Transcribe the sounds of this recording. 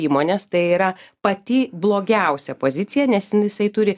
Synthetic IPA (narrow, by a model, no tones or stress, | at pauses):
iːmoːnʲeːst̪ɐɪiːɾɐpɐt̪ʲɪblˠoːɡʲɛʊsʲɛpoːzʲɪt̪t͡sʲɪjɛnʲɛsɪnjɪsɐɪt̪ʊɾʲɪ